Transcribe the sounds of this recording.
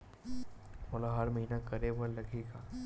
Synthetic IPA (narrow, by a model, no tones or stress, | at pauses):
mɔlaɦɐɾmɐɦiːnakɐɾewəɾlɐɡʱeːkaː